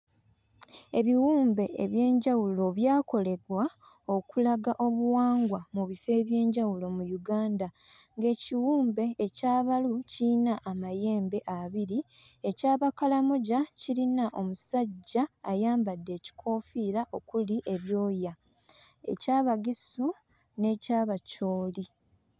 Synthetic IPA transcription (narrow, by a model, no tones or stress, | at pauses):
e̞βiwuːmbe̞ḛβje̞ːɲɟawulo̞βjaːko̞le̞ɡwa | o̞kulaɡaʔo̞βuwaːŋɡwamuβife̞ːβje̞ːɲɟawulo̞mujuɡaːnda | ŋɡe̞ːciwuːmbe̞ːcaːβalucinaʔːmaje̞ːmbe̞ʔaβiɾi | e̞caːβakalamuɟacilinaʔo̞musaɟːaːjaːmbadːe̞ːci̥kʰo̞ːfiːɾaʔo̞kuliʔe̞βjo̞ːja | e̞̰caːβaɡisu | ne̞caːβaco̞ːli